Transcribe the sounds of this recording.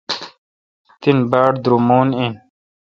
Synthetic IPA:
t̪inbaːɽd̪ɾumoːnin

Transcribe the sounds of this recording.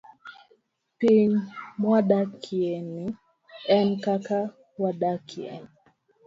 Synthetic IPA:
piɲmwaɗakʰiɛni | ɛnkaka | waɗakʰiɛ̰ni

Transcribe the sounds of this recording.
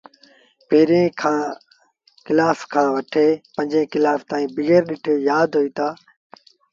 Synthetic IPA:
peːɾẽːkʰãː | kɪlaːfkʰãːʋɐʈʰeːpə̃ɲd͡ʒẽːkɪlaːft̪aːĩːbɪɣeːɾɗɪʈʰeːjaːd̪ɦoiːt̪aː

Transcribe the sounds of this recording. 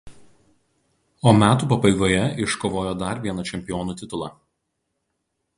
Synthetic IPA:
oːmʲæːt̪uːpɐbɐɪɡoːjɛɪʃkoːʋoːjoːd̪ɐɾʋʲiɛnɐt͡ʃʲɛmʲpʲɪjɔːnuːt̪ʲɪt̪ʊlˠɑːˑ

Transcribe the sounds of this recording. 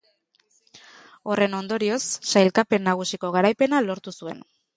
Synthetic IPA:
o̞re̞no̞nd̪o̞ɾio̞sːajlkape̞nːaɣ̞usiko̞ɣaɾajpe̞nalo̞ɾt̪usue̞̰n

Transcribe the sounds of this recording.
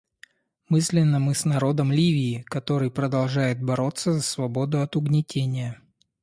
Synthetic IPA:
mɨsʲlʲɪnːəmɨsnɐɾo̞d̪əmlʲivʲɪːkɐt̪o̞ɾɨjpɾəd̪ɐlˠʐajɪt̪̚bɐɾo̞t̪səzəsvɐbo̞d̪ʊɐt̪ʊɡnʲɪtʲenʲɪjə

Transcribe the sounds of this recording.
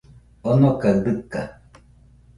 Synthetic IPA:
onokaɯd̪ɯkːa

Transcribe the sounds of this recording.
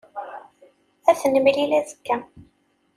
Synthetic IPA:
æθənəmlilæðəkːæ

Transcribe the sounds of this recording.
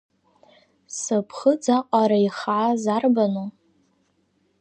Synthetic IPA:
sɨpʰχəd͡zaqʼaɾaiχʕazarbanu

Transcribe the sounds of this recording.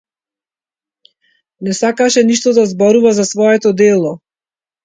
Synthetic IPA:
nɛsakaʃɛniʃt̪ɔd̪azbɔɾuvazasvɔɛt̪ɔd̪ɛlˠɔ

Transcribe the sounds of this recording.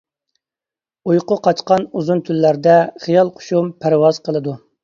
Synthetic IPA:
ujqʊqʰɑt͡ʃqɑnuzunt̪ʰylːæɾd̪ɛχijɑlˠqʰo̥ʃumpʰæɾwɑz̥qʰəlˠɨd̪u

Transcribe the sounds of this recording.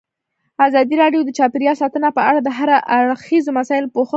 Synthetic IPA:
azɑd̪iɾɑɖjod̪ət͡ʃɑpiɾjɑsɑt̪ənapəaɽad̪əɦaɾaʔaɽxizmasɑjɪlpoxə

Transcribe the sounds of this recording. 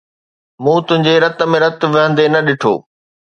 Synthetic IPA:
mũːt̪ʊɦɪ̃ɲd͡ʑeɾɐt̪ə̆mẽɾɐt̪ʋɪɦə̃nd̪enɐɗɪʈʰo̰ː

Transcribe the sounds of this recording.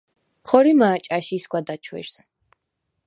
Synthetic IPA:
χɔɾimaːt͡ʃʼaʃiːsɡwad̪at͡ʃʰwɛ̰ɾs

